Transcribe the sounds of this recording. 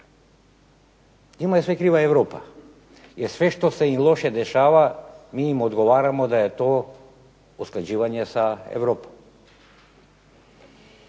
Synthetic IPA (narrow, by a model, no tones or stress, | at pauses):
ɲimaɛsʋɛkɾiʋaɛvɾopa | jɛɾsʋɛʃt̪osɛimlˠoʃɛd̪ɛʃaːʋamiːmod̪ɡoʋaɾamod̪ajɛt̪o | usklˠad͡ʒiʋaɲɛsaɛ̰vɾopɔm